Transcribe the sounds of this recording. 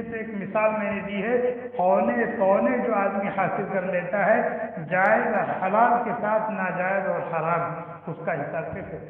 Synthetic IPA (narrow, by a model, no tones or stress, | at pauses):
t̪eːkmɪsaːlmɛ̃ːned̪iɦɛ | pɔːnepɔːned͡ʒoːaːd̪mihaːsɪlkɐɾleːt̪aɦɛd͡ʒaːɪzhɐlaːlkesaːt̪ʰnad͡ʒaːɪzɔːɾhaɾaːmɦɛ | ʊskaɦɪsaːbkesɛ